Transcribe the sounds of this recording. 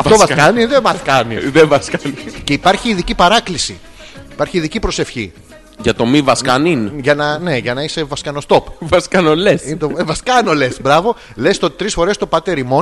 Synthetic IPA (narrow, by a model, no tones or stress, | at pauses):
ɐɐfovɐskɐniðevɐskɐnḭðevɐskɐnice̞ipɐɾçiːðicipɐɾɐklisḭ | ipɐɾçiːðicipɾo̞se̞fçḭ | ʝɐt̪o̞mivɐskɐninʝɐnɐne̞ʝɐnɐise̞vɐskɐno̞st̪o̞pvɐskɐnolesint̪oevɐskɐnole̞sbɾɐvo̞ | le̞st̪ot̪i̥t̪ɾisfo̞ɾe̞st̪opɐt̪e̞ɾimo̞